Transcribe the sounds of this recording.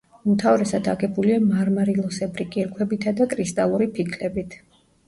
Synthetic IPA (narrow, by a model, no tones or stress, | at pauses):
umt̪ʰavɾɛsad̪a̰ɡɛbuliamaɾmaɾilˠɔsɛbɾikʼiɾkʰwɛbit̪ʰad̪akʼɾist̪ʼalˠuɾipʰikʰlɛbit̪ʰ